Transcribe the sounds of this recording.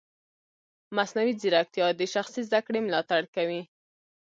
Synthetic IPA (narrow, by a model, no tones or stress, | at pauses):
masnawiziɾak̚t̪ijɑd̪əʃaxsizd̪akɽemlɑt̪aɽkawi